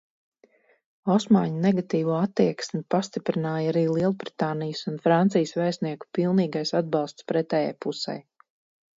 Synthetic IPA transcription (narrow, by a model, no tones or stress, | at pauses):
ɔsmaːɲɐnɛɡat̪iːvuɔat̪ːiɛksmʲipast̪ipɾinaːjaɾiːlˠiɛlˠbɾi̥t̪aːnijsunfɾant̪sijəsvɛjsniɛku̥pilˠniːɡajsad̪̚bɑlˠst̪spɾɛt̪ɛːja̰jpusɛ̰j